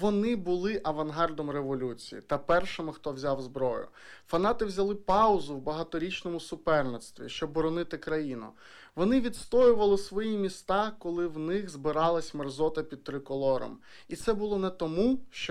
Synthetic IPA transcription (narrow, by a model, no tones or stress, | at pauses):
ʋɔnɪbʊlˠɪʔɐʋɐnɦɑrd̪ɔmreʋɔlʲut͡sʲḭjḭt̪ɐpɛrʃɪmɪxt̪ɔwzʲɑwzbɾɔjʊ̰ | fɐnɑt̪ɪwzʲɐlˠɪpɑʊzʊwbɐɦɐt̪ɔɾʲit͡ʃnɔmʊsʊpɛrnet̪st̪ʋʲḭʃt͡ʃɔbːɔɾɔnɪt̪ɪkɾɐjinʊ̰ | ʋɔnɪʋʲid̪st̪ɔjʊʋɐlˠɪsʋɔjimʲist̪ɑkɔlˠɪwnɪxzbɪɾɑlˠɐsʲmerzɔt̪ɐpʲid̪̚t̪ɾɪkɔlˠɔɾɔ̰m | it̪sɛbʊlˠɔnɛt̪ɔmuʃt͡ʃɔ